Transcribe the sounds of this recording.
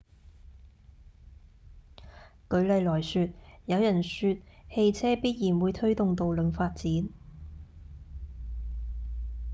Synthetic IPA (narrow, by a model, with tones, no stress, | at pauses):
kɵ˨˧ɥlɐ˨jlɔː˨˩jsyː˧t̚jɐ˨˧wjɐ˨˩nsyː˧t̚he˧jt͡sʰɛː˥piː˥t̚jiː˨˩nwuː˨˧jt̪ʰɵ˥ɥt̪ʊ˨ŋt̪o˨wlɵ˨˥nfaː˧t̚t͡siː˨˥n